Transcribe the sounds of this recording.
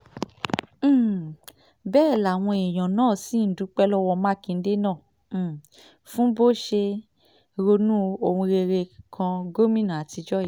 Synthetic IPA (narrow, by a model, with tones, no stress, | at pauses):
bɛː˦˨la˨w̃ɔ̃˧e˨j̃ɔ̃˨nãː˦˨si˨˦n̩˨˦du˨˦k͡pɛ˦lɔ˦wɔ˧mã˦kĩ˧n̩˦de˦nãː˦˨ | fũ˦bo˦˨ʃe˧ | ɾo˧nũ˦o˧hũ˧ɾe˧ɾe˧kʰã˧ɡo˦mĩ˦nã˨a˨ti˧d͡ʒɔ˦ji˦˨